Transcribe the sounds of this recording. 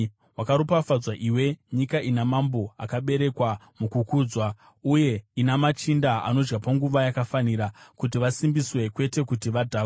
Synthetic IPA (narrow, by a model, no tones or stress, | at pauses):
wakaɾopafad͡zwaʔiwe̞ɲikaʔinamambo̞akaɓe̞ɾe̞kwa | mukukuːd͡zwa | uje̞inamat͡ʃindaa̰no̞d͡ʒɡapaŋɡuʋajakafaniɾakutiʋasimbiswe̞kwe̞te̞kutiʋadʱaː